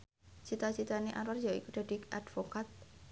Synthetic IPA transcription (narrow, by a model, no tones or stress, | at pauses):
t͡ʃit̪at͡ʃit̪aneʔaɾwarjaḭkuɖ̥a̤d̥iʔad̪̥fokat̪̚